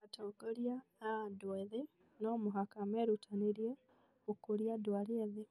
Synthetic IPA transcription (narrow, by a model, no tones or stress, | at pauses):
atoɡoljaːdwaðe | nomuɦakameɾutʰaniɾje | okuɾjadwalieðe